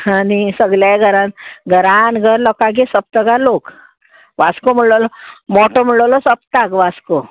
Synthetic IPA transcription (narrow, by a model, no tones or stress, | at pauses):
anisəɡljajɡʱəɾãnɡʱəɾanɡʱəɾlɔkaɡesəp̚t̪əɡalok | ʋaskom̤əɽɭlɔmɔʈɔm̤əɽɭəlɔsəp̚t̪akʋasko